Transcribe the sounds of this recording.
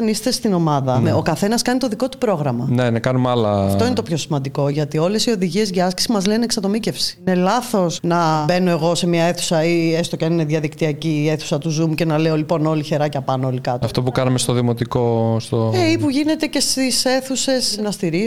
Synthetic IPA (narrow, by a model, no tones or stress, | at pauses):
nist̪est̪ino̞mɐðɐmo̞kɐθe̞nɐskɐnit̪oðiko̞t̪u̥pɾo̞ɣɾɐmɐnenɐkɐnumalɐfo̞inet̪opçosimɐnd̪iko̞ʝɐt̪io̞le̞sio̞ðiʝie̞zʝɐski̥simɐzleneksɐt̪o̞mice̞fsi̥inelɐθo̞snɐbe̞no̞e̞ɣo̞se̞mɲɐe̞θu̥sɐiest̪ocɐnine̞ðʝɐðikt̪iɐcieθu̥sɐt̪uzumuce̞nɐleolipo̞no̞liçe̞ɾɐcɐpɐnoolikɐt̪ɐft̪opukɐnɐmest̪oðimo̞t̪ikost̪oeipuʝine̞t̪e̞ce̞st̪ise̞θuse̞snɐst̪iɾi